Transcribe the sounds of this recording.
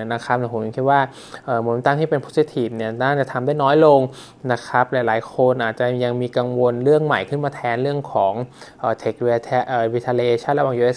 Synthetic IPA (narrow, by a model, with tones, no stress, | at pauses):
na˦˥kʰa˦˥p̚ni˧˩ko˩˦ji˧˩ŋkʰi˥t̚waː˥˩ | ʔɤː˨˩mo˨˩˦nt̪aː˧t̪ʰiː˥˩pe˧npʰo̥˦˥si˧˦˥t̪ʰiː˨˩p̚ni˥˩naː˥˩ŋt͡ɕa˨˩t̪ʰa˧mdaː˥˩jnɔː˦˥jlo˧ŋ | na˦˥kʰɾa˦˥p̚lɛː˨˩jlaː˩˦jkʰo˧nʔaː˨˩t̪̚t͡ɕa˨˩ja˧ŋmiː˧ka˧ŋwo˧nɾɯ˥˩əŋma˨˩jkʰɯ˥˩nmaː˧t̪ʰɛː˦˥nɾɯ˥˩əŋkʰɔː˩˦ŋʔəː˨˩t̪ʰe˨˩k̚t̪ʰːʔːwiː˧t̪ʰaː˧li˧eː˧t͡ɕʰa˥˩nɾa˧waː˨˩ʔuː˧ʔe˦˥s